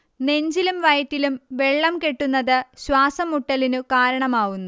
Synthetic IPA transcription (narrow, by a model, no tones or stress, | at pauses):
ne̞ɲd͡ʑilumʋɐjtːilumʋe̞ɭːɐmke̞ʈːunːɐðɨɕwaːsɐmuʈːɐlinukaːɾɐɳɐmaːɣunːu